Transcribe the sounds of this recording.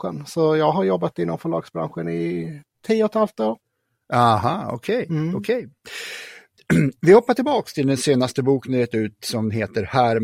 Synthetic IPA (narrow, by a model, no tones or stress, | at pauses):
ə̰nsɔjɑːɡɦaɾjɔbːat̪ɪnːɔmfœɭɑ̰ːɡ̥sbɾa̰nɧənɪt̪ʰiːəɔt̪halft̪oːɾ | ʔahɑːɔ̰kʰɛjɔkʰɛj | vɪhɔpːaʈʰɪlbɑːkst̪ʰɪld̪ɛnseːnast̪əbuːknɛɾɛt̪ʉ̟ːt̪sɔmɦeːt̪əɾhæːɾ